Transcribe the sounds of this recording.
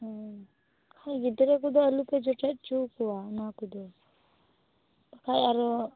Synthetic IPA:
kʰajɡid̪ɾɛk̬ud̪ɔɐlupɛd͡ʒɔʈɛt̪̚t͡ʃukuanakud̪ɔ | pakʰajaɾɔ

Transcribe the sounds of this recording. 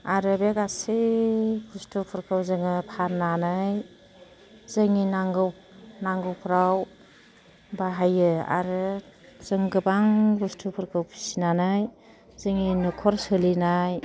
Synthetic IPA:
aɾɯbeɡasibʰustʰupʰɯɾkʰɯwzɯŋɯpʰaɾnanɯj | zɯŋinaŋɡɯw | naŋɡɯwpʰɾaw | baɦajɯa̰ɾɯz̥ɯŋɡɯbaŋbustʰupʰɯɾkʰɯwpʰi̥sinanɯj | zɯŋinɯkʰɔɾsɯlinaj

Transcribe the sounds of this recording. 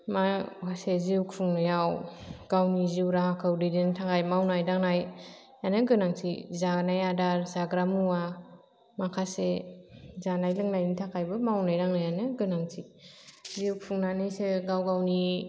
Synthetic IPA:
makʰaseziwkʰɯŋnɯjawɡ̥awniziwɾahakʰɯwdɯdintʰakʰajmawnajdaŋnaj | anɯɡɯnaŋtʰizanajadaɾzaɡɾamua | makʰase | zanajlɯŋnajnitʰakʰajbɯmawnajdaŋnajanɯɡɯnaŋtʰi | ziwkʰuŋnanɯjseɡawɡawni

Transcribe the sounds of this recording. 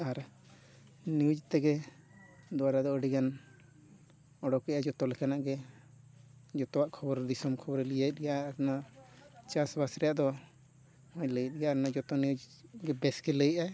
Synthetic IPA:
aɾ | niud͡ʒt̪ɛɡɛ | d̪ɔwaɾad̪ɔəɖiɡan | ɔɽɔkɛʔad͡ʒɔt̪ɔlɛkanaʔɡɛ | d͡ʒɔt̪ɔwaʔkʰɔbɔɾd̪isɔmkʰɔbɔɾɛlijajt̪̚ɡɛjaɾna | t͡ʃasbasɾɛjaʔd̪ɔ | hɔ̃ɲləjət̪̚ɡɛjaɾnad͡ʒɔt̪ɔniud͡ʒɡɛbɛskɛləjʔaɛ

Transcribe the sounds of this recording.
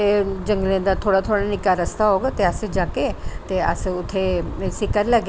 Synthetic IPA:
ed͡ʒə̃ŋɡlẽd̪at̪ʰoːɽat̪ʰoːɽanɪkaɾəst̪ʰaɦoːɡat̪eəsd͡ʒaːket̪eə̰sʊt̪ʰːesɪkəɾləɡ

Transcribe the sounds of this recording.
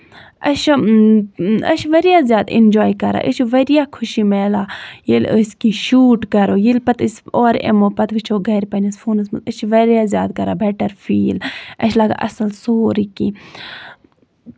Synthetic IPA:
ɐʃ | ɐ̰ʃʰʋɐɾjazjaːd̪ḭnd͡ʒaːjkɐɾa̰ːʔəʃʰʋɐɾijaːkʰʊʃimeːlaːjiləsʲkiʃuːʈkɐɾojilpɐt̪əsʲoːɾḛmopɐt̪ʋit͡ʃʰoːɡɐɾʲpɐnisfʰuːnɐs̬mɨət͡ʃʰʋɐɾjaːzjaːd̪kɐɾaːbeːʈɐɾfʰiːlɐ̰ʃʰlaːɡa̰ːʔɐ̰sɐlsoːɾiki

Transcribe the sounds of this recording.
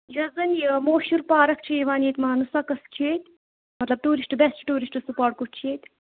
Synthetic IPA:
jɐzɐnmoːʃuɾpaːɾɐk̚t͡ʃʰeːʋaːneːt̪ʲmaːnusakɐst͡ʃʰieːt̪ʲ | mɐt̪lɐb̚t̪uːɾisʈɨbɛst͡ʃʰi̥ʈuːɾisʈɨsupoːɾʈ̚kut͡ʃʰeːt̪ʲ

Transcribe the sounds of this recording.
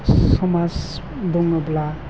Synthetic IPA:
ɔmas | d̪ɔŋabla

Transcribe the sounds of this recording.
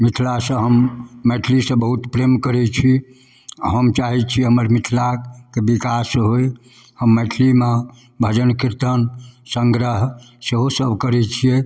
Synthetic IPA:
mit̪ʰlasə̃ɦəmːɛʈʰlisə̃bəɦut̪pɾemkəɾɛt͡ʃʰi | ɦəmt͡ʃaɦɛt͡ʃʰiɦəməɾmit̪ʰlakebikasɦoj | həmːɛʈʰlime | bʱəd͡ʒənkiɾt̪ənsəŋɡɾəɦ | seɦosəbʱkəɾɛt͡ʃʰije

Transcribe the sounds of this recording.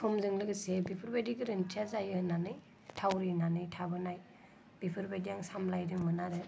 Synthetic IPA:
sʰɔmzɯŋlɯɡɯsebipʰɯɾbajdiɡɯɾɯntʰiazajɯnanɯj | tʰawɾinanɯjtʰabɯnaj | b̥ipʰɯɾbajdijaŋsamlajdɯŋmɯnaɾɯ

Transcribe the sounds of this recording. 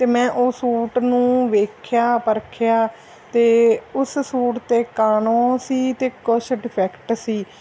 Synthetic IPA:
t̪eːmɛ̃ːʔoːsuːʈnũːʋeːkʰjaːpəɾkʰjaː | t̪eːʊssuːʈt̪eːkaːnõːsiːt̪eːkʊʃɖɪpʰɛːkʈsiː

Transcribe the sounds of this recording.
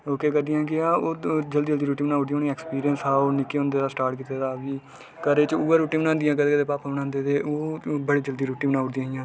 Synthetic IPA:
oːkeːkəd̪ijãːkɪãːoːd͡ʒəld̪iːəld̪iːɾuːʈiːbənãːʊɽd̪ĩjãoːnĩɛːkspiːɾijənsaːoːnɪkːeːɦʊ̃nd̪eːd̪aːsʈaːɾʈkiːt̪eːd̪aːʋiː | kəɾeːt͡ʃuːəɾuːʈĩːbənãːnd̪ɪjãːkəd̪eːkəd̪eːpaːpaːbənãːnd̪eːt̪eːoːbəɽeːd͡ʒəld̪iːɾuːʈĩːbənãːʊɽd̪ijãːɦɪjãː

